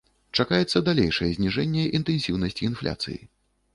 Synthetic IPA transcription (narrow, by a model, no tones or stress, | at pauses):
t͡ʂakajɛt̪sːɐd̪alʲejʂɐjɛzʲnʲiʐɛnʲːɛʔint̪ɛnsʲiwnɐsʲt͡sʲiːnflʲa̰t̪sɨ̰jḭ